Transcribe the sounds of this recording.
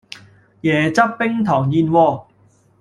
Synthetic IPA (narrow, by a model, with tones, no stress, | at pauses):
jɛː˨˦t͡sɐ˥pːɪ˥ŋt̪ʰɔː˨˩ŋjiː˧nwɔː˧